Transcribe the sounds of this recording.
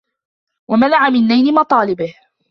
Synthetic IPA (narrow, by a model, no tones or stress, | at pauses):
wamanaʕamɪnːajnɪmɑt̪ˤɑːlɪbɪh